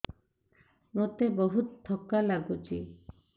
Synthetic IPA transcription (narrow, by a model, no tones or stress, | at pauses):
mot̪ebɔɦut̪t̪ʰːɔkalaɡut͡ʃʰi